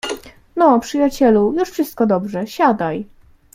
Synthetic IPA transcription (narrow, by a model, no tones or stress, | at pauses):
nɔpʂɘjat͡ɕɛlujuʂfʂɘst̪̚kɔd̪ɔbʐɛɕad̪aj